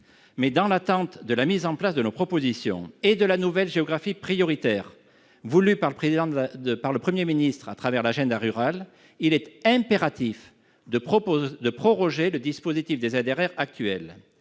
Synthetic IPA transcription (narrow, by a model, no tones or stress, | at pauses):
mɛd̪ɑ̃lat̪ɑ̃t̪d̪əlamizɑ̃plasd̪ənopχɔpozisjɔ̰̃ed̪əlanuvɛlʒeɔɡʁafipχijɔʁit̪ɛʁ | vulypaʁləpχezid̪ɑ̃əpaʁləpχəmjeminist̪χat̪χavɛʁlaʒɛ̃d̪aʁyʁal | ilɛt̪ɛ̃peʁat̪if | d̪əd̪əpχɔʁɔʒeləd̪ispozit̪ifd̪ezad̪eʁɛʁak̚t̪ɥɛ̰l